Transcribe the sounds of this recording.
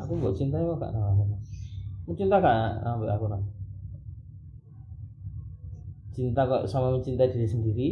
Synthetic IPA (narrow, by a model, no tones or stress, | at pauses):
akumbɔʔt͡ʃint̪aikɔka̰ʔnamamɛnamət͡ʃint̪akaʔnanambɛʔakuna | t͡ʃint̪akɔʔsamaməɲt͡ʃint̪aidiɾisəndiɾi